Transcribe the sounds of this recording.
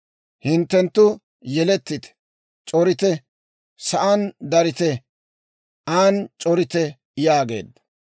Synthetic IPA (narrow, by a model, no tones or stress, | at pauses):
hɪnt̪ːɛnt̪ːʊ | jɛlɛt̪ːɪt̪ | t͡ʃʼɔɾɪt̪ɛ | sɐʔand̪ɐɾɪt̪ɛ | aːnt͡ʃʼɔɾɪt̪ɛ | jaːɡe̞̰ːd̪ːɐ̥